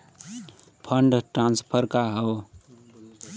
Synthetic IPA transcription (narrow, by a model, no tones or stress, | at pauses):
pʰəɳɖʈɾanspʰəɾkaɦəw